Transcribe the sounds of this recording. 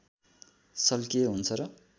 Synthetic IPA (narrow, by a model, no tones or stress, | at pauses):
sʌlkeɦunt͡sʰʌɾʌ